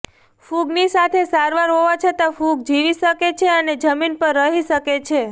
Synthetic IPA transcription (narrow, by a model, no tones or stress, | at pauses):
fuɡnisat̪ʰesaɾʋaɾɦoʋat͡ʃʰet̪afuɡ̚d͡ʒiʋiʃəket͡ʃʰeəned͡ʒəminpəɾːəɦiʃəket͡ʃʰe